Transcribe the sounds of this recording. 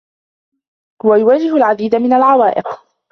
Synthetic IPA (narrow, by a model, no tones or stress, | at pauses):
wajʊwaːd͡ʒɪhalʕad̪iːd̪amɪnalʕawaːʔɪq